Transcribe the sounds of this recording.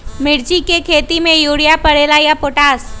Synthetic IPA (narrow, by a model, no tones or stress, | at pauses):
mɪɾd͡ʒikekʰeːt̪imẽjuːɽijapɐɽeːlajapoːʈaːs